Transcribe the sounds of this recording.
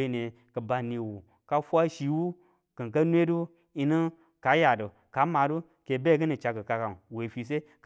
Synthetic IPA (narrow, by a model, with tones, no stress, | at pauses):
e˦ne˨ | kə˨ba˨ni˨wu˨ | ka˦fʷa˦ʃi˨wu˦ | kɨ˨ŋka˦nʷ˦e˦du˦ | i˧nɨ˦ | ka˨˦ja˨do˨ | ka˨˦ma˨du˦ | ke˨be˦ɡɨ˦ni˨t͡ʃa˧kɨ˨ka˧ka˨nwe˨fi˨s̬e˦k